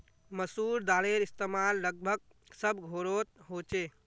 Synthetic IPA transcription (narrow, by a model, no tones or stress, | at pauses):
məsuɾd̪aleɾist̪emalːəɡ̚bʱəɡ̚ | səbʱɡʱoɾot̪̚ɦot͡ʃe